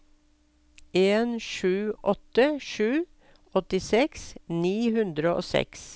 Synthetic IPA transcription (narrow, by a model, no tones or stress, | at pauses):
ʔeːnʃʉːʔɔt̪əʃʉː | ɔt̪ɪsɛksniːhʉnd̪ɾəʔo̰ːsɛ̰ks